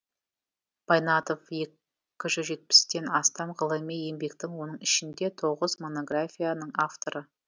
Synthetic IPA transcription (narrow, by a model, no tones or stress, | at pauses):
b̥ajnɑt̪o̞fje̞ | kʲɪʒʏʒe̞t̪̚pɪ̥st̪e̞nɑst̪ɑmʁəlˠəmeje̞mbe̞kt̪ɪŋwo̞nəɴɪʃɪnd̪e̞t̪ʰo̞ʁəzmo̞no̞ɡrafʲijanəɴaft̪o̞ɾə